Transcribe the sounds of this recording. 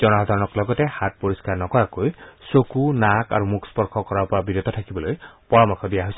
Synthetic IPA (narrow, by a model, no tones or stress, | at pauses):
zɔnɔɦɔd̪ʱaɹɔnɔklɔɡɔtɛhat̚poɹiskaɹnɔkɔɹakojsokunaka̰ɹumukʰspɔɹkʰɔkɔɹaɹpɔɹabiɾɔt̪ɔtʰakibɔlojpɔɹɔmɔkʰɔbijaɦojs